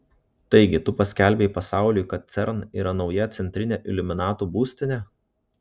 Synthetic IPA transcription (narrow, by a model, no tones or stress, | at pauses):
t̪ɐɪɡʲɪt̪ʊpɐsʲkʲæˑlʲbʲɛɪpɐsɑˑʊlʲʊjkɐt̪̚t̪sʲɛɾniːɾɐnɒʊjɛt̪sʲɛnʲt̪ʲɾʲɪnʲeːʔɪlʲʊmʲɪnɑːt̪uːbuːsʲt̪ʲɪnʲeː